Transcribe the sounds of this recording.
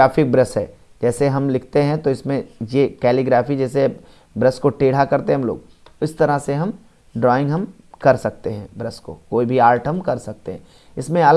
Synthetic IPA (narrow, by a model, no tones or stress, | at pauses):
aːfɪk̚bɾɐsɦɛ̰ː | d͡ʒɛːseɦɐmlɪkʰt̪eɦɛ̃t̪oɪsmẽjekɛːliɡɾaːfid͡ʒɛːse | bɾɐskoʈeːɽ̤akɐɾt̪eɦɐmlo̰ːɡ | ʊst̪ɐɾaseɦɐm | ɖɾɔːɪ̃ŋɡɦɐm | kɐɾsɐk̚t̪eɦɛ̃bɾɐsko̰koːibʱiaːɾʈɦɐmkɐɾsɐk̚t̪eɦɛ̃ | ɪsmẽɐl